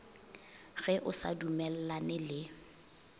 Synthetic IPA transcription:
ɣɛʔʊsa̰dumɛl̩lanɪlɪ

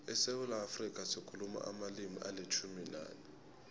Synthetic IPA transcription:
ɛsewulaːfrikʼasikʰuluma̰ʔamalimḭʔalet͡ʃʰumila̰ːni

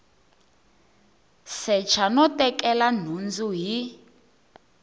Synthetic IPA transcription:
sɛt͡ʃʰanɔtɛkʼɛlan̤und͡zuɦi

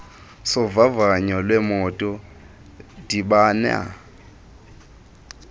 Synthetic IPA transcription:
sʊvavaɲɔlwɛmɔtʼɔ | d̥ibanɛ̰a̰

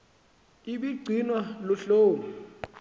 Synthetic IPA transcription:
iɓiɡ͡ǀʱinwalɔɬoːnu

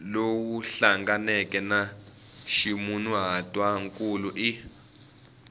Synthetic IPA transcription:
lowuɬaŋɡanɛkʼɛna | ʃimunuɦatʼwaŋkʼuluʔi

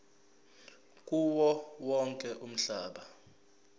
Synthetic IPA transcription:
k̬ʼuwɔwɔŋkʼɛʔum̩ɬaːɓa

